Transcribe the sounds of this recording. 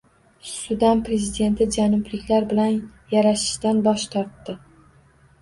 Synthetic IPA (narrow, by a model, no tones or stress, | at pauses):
sʊd̪ampɾe̞zɪd̪e̞nt̪ʰɪd͡ʒanʊblɪkʲlaɾbɪlanjaɾaʃɪ̥ʃt̪anbɒʃt̪ʰɒɾt̪ːɪ